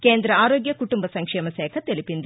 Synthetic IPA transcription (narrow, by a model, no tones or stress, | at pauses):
keːnd̪ɾɐaːɾoːɡjɐkuʈumbɐsɐŋkʂɛːmɐsɛːkʰɐt̪elipind̪